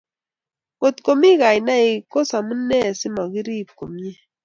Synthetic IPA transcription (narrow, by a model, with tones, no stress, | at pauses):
ŋo˨t̪ko˨mi˦ka˨i˨na˦i˨ko˦sa˨mu˦nɛ˦˨sɪ˦mɔ˨ɡi˦ɾi˦˨p̚ko˨mje˦